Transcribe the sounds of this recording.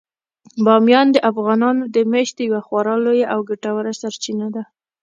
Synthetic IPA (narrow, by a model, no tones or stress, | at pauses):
bɑmjɑnd̪əʔafɣɑnɑnod̪əmeʃt̪d̪əjwaxwaɾɑlojaʔawɡaʈawaɾasaɾt͡ʃinad̪a